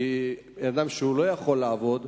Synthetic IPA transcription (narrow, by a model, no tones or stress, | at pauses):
i | d̪amʃeulo̞jaχo̞lːaːvo̞d̪